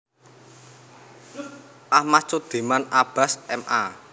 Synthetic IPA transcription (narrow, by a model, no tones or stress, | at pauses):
ʔamat͡ʃod̪̥e̤manab̥a̤sɛmʔa̰